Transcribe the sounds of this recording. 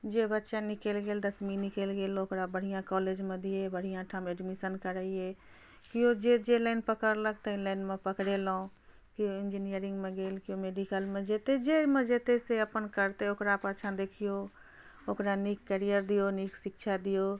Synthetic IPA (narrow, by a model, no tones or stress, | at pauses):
d͡ʒebətːʃanɪkeːlɡeːld̪əsminɪkelɡeːloːkɾabəɽ̤ijãkɔːleːd͡ʒmẽd̪ʱiebəɽ̤ijãʈʰameːɖmisənkəɾəiɦe | kijod͡ʒed͡ʒelɛɪnpəkəɾləkt̪əɪlɛɪnmẽpəkɽeloõ | kijoɪ̃nd͡ʒinijəɾɪ̃ŋɡmẽɡeːlkijõmeːɾikəlmẽd͡ʒet̪ed͡ʒemə̃d͡ʒet̪eseəpənkəɾt̪eokɾapaːt͡ʃʰãd̪eːkʰijo | okɾanikːəɾijəɾd̪ijoniksɪkʃʰad̪ijo